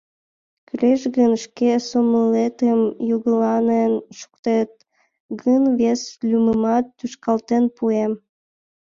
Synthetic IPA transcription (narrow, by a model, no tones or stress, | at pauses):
kyleʃɣənʃkesoməlet̪əmjuɣəlɑnenʃu̥k̚t̪et̪̚ | ɣənβeslʲyməmɑt̪ːyʃkɑlt̪enpuem